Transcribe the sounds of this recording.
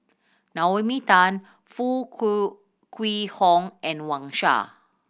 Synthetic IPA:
nawemitãn | fu | kʰwihɔ̃ŋʔɛ̃nwãŋʃa̰

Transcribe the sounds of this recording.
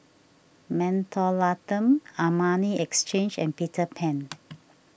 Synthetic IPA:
mɛ̃ntʰɔlatə̃mamaniɛkst͡ʃẽnd͡ʒɛ̰̃npitʰəpʰɛ̃n

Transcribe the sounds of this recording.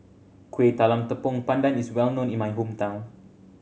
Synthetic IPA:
kwet̪alamt̪əpɔŋpandaniswɛlnõnĩnmajɦumt̪ãw̃n

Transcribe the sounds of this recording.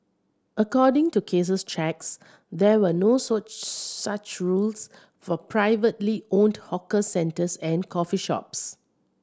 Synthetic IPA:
ʔəkɔdɪ̃ŋtukʰes̬əstʰɹɛks | dɛwənosɔt͡ʃsat͡ʃɹuls | fɔpʰɹaɪvətliõndhɔkəsɛ̃ntəsɛ̃nkʰɔfiʃɔ̰ps

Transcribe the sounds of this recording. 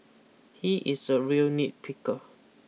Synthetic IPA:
hiʔisəɹilnit̚pʰikə

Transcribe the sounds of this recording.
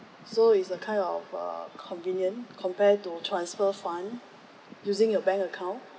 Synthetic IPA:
soitsəkʰãɪ̃ndɔ̰fə̰kʰɔ̃nvĩnjə̃nkʰɔ̃mpɛtutʰɹãnsfəfãn | juzĩŋjəbɛ̃ŋkəkʰãʊ̃n

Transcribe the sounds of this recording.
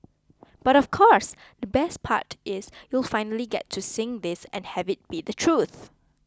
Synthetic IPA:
b̥aɾɔfkʰɔs | d̪əbɛspʰa̰tʔɪsjulˠfaɪ̃nəliɡɛtʰːusɪ̃ŋd̪ɪsɛ̰̃nhɛvɪt̚b̥idətʰɹuθ

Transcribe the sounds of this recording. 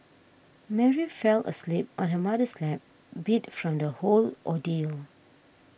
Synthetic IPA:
mɛɹifɛlə̰slip̚ɔ̃nɦəmadəslɛp̚ | bitfɹɔ̃mdəholʔɔdil

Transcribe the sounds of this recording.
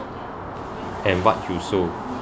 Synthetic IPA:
ɛ̃nwat̚juso

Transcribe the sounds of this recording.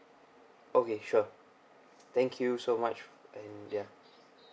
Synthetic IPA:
ʔokeʃu | t̪ɛ̃ŋkʰjusomat͡ʃʔɛ̃nja

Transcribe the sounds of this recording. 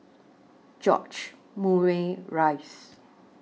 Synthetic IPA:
d͡ʒɔ̰t͡ʃ | muweɹaɪs

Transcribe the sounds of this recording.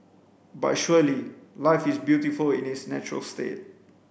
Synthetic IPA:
ba̰tʃuəlilaɪfɪsbjutifəlĩnɪsnɛt͡ʃɹə̰lstḛt̚

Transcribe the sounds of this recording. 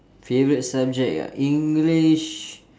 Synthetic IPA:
fevəɾit̚sap̚d͡ʒɛk̚a̰ʔĩŋɡliʃ

